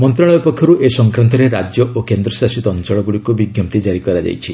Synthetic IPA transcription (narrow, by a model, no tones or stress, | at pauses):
mɔnt̪ɾaɭ̃ɔbipɔkʰjɔɾuʔesɔŋkɾant̪ɔɾeɾad͡ʒjɔʔokend̪ɾɔsasit̪ɔɔnt͡ʃɔɭɔɡuɭikubiɡjɔp̚t̪id͡ʒaɾikɔɾad͡ʒa̰jt͡ʃʰi